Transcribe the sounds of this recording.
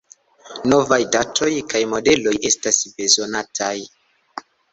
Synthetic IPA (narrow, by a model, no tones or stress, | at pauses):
no̞vajdatʰo̞jkajmo̞de̞lo̞je̞stasbe̞zo̞natʰaj